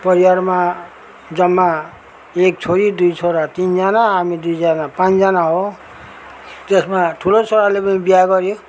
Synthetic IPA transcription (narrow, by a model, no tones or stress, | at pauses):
pʌɾiwaɾma | d͡zʌmːa | ek̚t͡sʰoɾid̪ujt͡sʰoɾat̪ind͡zanaɦamid̪ujd͡zanapãt͡sd͡zanaɦo | t̪esmaʈʰulot͡sʰoɾalepʌnibijaɡʌɾjo